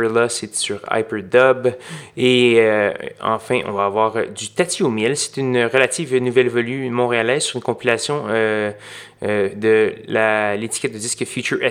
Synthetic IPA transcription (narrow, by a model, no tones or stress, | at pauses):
lasesyʁa̰jpəd̪ɔbe | ɑ̰̃fɛ̃ʔɔ̰̃vaːvwaːʁd̪yt̪at̪iomjɛlse̥t̪ynʁəlat̪iːvnːuvɛlvɔlymɔ̃ʁealɛzsyʁynkɔ̃pilasjɔ̃ø | d̪əlalet̪i̥kʲɛt̪̚d̪əd̪iskəfjut͡ʃyʔɛ